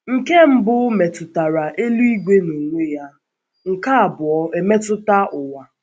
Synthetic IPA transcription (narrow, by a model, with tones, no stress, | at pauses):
ŋ̩˨ke˦m̩˦bʊ˦me˨tʊ˨ta˨ɾa˨ʔe˦lu˦i˦ɡʷe˦no˨ŋʷe˦ja˦ | ŋ̩˨ka˦a˨bʊ˨ɔ˦e˨me˦tʊ˦ta˦ʊ˨wa˨